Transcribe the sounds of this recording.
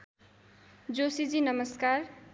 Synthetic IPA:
d͡zosid͡zinʌmʌskar

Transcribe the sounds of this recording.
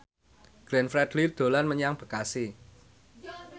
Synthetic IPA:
ɡ̥ɾɛnfɾɛd̪̥lid̪̥o̤lanməɲaŋb̥ə̤kasi

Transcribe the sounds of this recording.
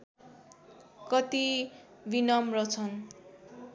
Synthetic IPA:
kʌt̪i | binʌmrʌt͡sʰʌn

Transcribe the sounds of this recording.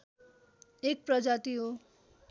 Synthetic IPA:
ek̚prʌd͡zat̪iɦo

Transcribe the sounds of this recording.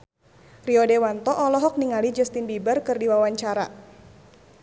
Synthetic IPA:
riɔdewant̪ɔʔɔlɔɦɔk̚niŋalid͡ʒɛst̪inbibərkɨrdiwawaɲt͡ʃaɾa

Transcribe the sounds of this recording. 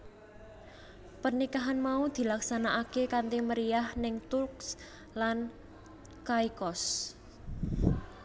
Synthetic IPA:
pərnikaɦanmaud̪̥i̤laksanaʔakekant̪iməɾiahnɪŋt̪urks | lan | kajkɔs

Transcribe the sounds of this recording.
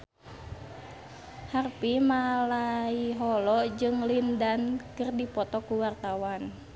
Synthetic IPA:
harpimalaiɦɔlɔd͡ʒɨŋlindankɨrdipɔt̪ɔkuwart̪awan

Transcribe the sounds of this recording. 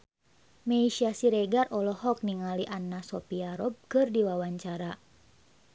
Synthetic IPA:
meiʃiasiɾɛɡarʔɔlɔɦɔk̚niŋaliʔanːasɔpiaɾɔb̚kɨrdiwawaɲt͡ʃaɾa

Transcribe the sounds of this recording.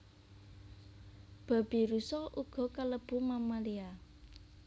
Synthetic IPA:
b̥a̤b̥i̤ɾusɔlʔuɡ̥ɔ̤kaləb̥ṳmamalia

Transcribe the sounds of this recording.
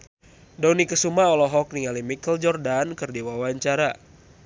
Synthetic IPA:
dɔnikəsumaɔlɔɦɔk̚niŋalimikəld͡ʒɔrdankɨrdiwawaɲt͡ʃaɾa

